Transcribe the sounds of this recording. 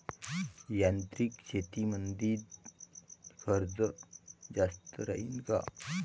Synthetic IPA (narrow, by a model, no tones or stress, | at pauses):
jant̪ɾikt͡ɕʰet̪imənd̪iːd | fʰəɾd͡zəd͡zast̪əɾaɦinka̰